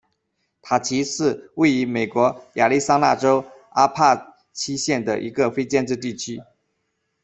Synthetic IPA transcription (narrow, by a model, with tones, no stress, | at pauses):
t̪ʰa˨˩t͡ɕʰi˧˥ʂɻ̩˥˧we˥˩ɪy˧˥me˨˩ɪkwɔ˧˥ja˨˩li˥˩sa˥ŋna̰˥˩ʈ͡ʂo˥ʊ | a˥pʰa˥˩ | t͡ɕʰi˥ɕjɛ˥˩nd̪ə˩ʔḭ˧˥ɡə˧fe˥ɪt͡ɕjɛ˥˧nʈ͡ʂɻ̩˥˧t̪i˥˩t͡ɕʰy˥